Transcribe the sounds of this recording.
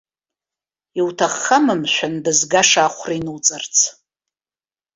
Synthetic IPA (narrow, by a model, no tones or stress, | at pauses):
iwtʰaχːamɨmʃʷᶣandɨzɡaʂaːχʷrainɨwt͡sʼɨrt͡sʰ